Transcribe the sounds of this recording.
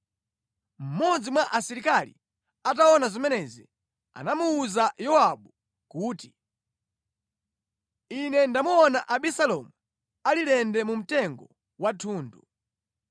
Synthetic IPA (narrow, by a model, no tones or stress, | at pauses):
m̩mɔd͡zimwaʔasiɾikalḭ | at̬aɔnazɔmɛnɛzi | a̰namuːzajɔaɓu | kuːti | inɛndamuɔnaʔaɓisalɔmu | alilɛndɛmum̩tɛŋɡɔ | watʰuːndu